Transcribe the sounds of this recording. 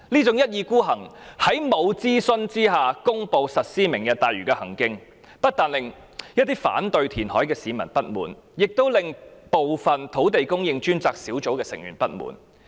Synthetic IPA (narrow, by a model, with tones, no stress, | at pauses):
liː˥t͡sʊ˨˥ŋjɐ˥t̚jiː˨˧kuː˥ɦɐ˨˩ŋhɐ˨˥jmo˨˧wt͡siː˥sɵ˧nt͡siː˥ɦaː˨kʊ˥ŋpo˨wsɐ˨t̚siː˥mɪ˨˩ŋjɐ˨t̪aː˨jyː˨˩kɛː˧hɐ˨˩ŋkɪ˧ŋ | pɐ˥t̚t̪aː˨˧nlɪ˨ŋ | jɐ˥t̚t̪iː˥fa̰ː˨˥nt̪ɵ˨ɥt̪ʰiː˨˩nhɔː˨˥jkɛː˧siː˨˧mɐ˨˩npɐ˥t̚mṵː˨˩n | jɪ˨k̚t̪o˥wlɪ˨ŋpo˨wfɐ˨nt̪ʰo˨˥wt̪e˨jkʊ˥ŋjɪ˧ŋt͡ʃyː˥nt͡saː˧k̚siː˨˥wt͡so˨˥wkɛː˧sɪ˨ŋjy̰ː˨˩npɐ˥t̚mṵː˨˩n